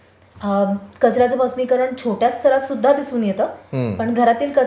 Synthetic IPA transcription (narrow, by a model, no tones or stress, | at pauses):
kət͡sɾat͡səbəsmiːkəɾəɳt͡ɕʰoʈjast̪ʰəɾasud̪ʱːad̪isuːnjet̪əːpəɳɡʱəɾat̪iːlkə